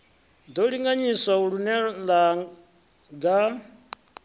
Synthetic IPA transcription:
d̪ɔɺiŋɡaɲiswauɺunɛla | ɡa

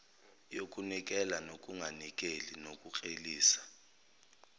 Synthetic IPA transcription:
jokʼunik̬ʼɛlanok̬ʼuŋʱanik̬ʼelinokʼuk͡xʼeliːsḁ

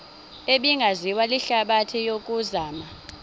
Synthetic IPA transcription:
eɓiŋɡʱaziwaliɬaɓatʰijok̬ʼuzaːma

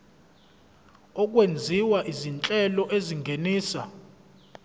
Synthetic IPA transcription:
ɔk̬ʼwend͡zʱiwaʔizint͡ɬʼɛlɔʔeziŋɡʱeniːsa̰

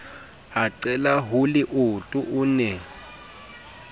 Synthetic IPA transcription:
aǀɛlaɦulɪʔʊtʼuʔunɛ

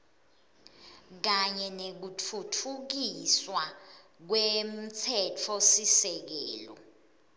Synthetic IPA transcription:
k̬aɲɛnek̬utʰutʰuk̬iswa | k̬wem̩t͡sʰɛtʰɔsisɛk̬ɛːlɔ̰

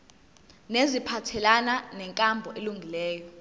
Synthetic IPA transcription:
nezipʰatʰɛlananɛŋkʼambʱɔʔeluŋɡʱilɛːjɔ

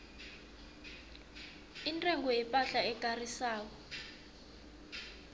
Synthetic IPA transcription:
intʼɛŋɡɔjɛpʼaɬaɛkarisaːkɔ

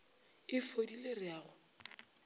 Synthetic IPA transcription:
ɪfodilerɪaːɣʊ

